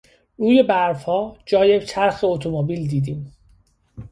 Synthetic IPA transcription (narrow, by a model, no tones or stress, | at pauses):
ɾuːjebæɾfhɒːd͡ʒɒːjet͡ʃʰæɾxeot̪ʰomobiːld̪iːd̪iːm